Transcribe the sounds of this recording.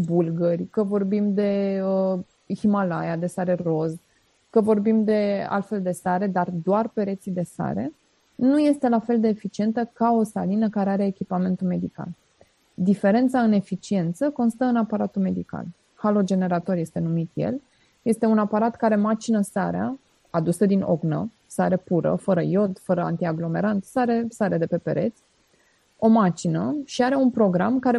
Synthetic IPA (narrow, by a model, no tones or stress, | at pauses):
bulɡərʲkəvo̞rbimd̪e̞ə | himalajad̪e̞saɾero̞z | kəvo̞rbimd̪e̞a̰lt̪fe̞ld̪e̞saɾe̞d̪ard̪oarpe̞ɾe̞t̪sid̪e̞sa̰ɾe̞̰ | nuje̞st̪e̞lafe̞ld̪e̞ːfit͡ʃie̞nt̪əkao̞salinəkaɾeaɾe̞ːkʲipame̞nt̪ume̞d̪ika̰l | d̪ife̞ɾe̞nt̪saɨne̞fit͡ʃie̞nt̪səko̞nst̪əɨnapaɾat̪ume̞d̪ika̰l | halo̞d͡ʒe̞ne̞ɾat̪o̞rje̞st̪e̞numit̪je̞̰l | je̞st̪e̞unapaɾat̪kaɾe̞mat͡ʃinəsaɾea̰ | ad̪usəd̪ino̞̰ɡnə̰ | saɾepuɾə̰fəɾəjo̞d̪fəɾəa̰nt̪iaɡlo̞me̞ɾant̪saɾe̞saɾed̪e̞pe̞pe̞̰ɾe̞t̪sʲ | o̞mat͡ʃinəʃiaɾe̞unpɾo̞ɡɾa̰mkaɾe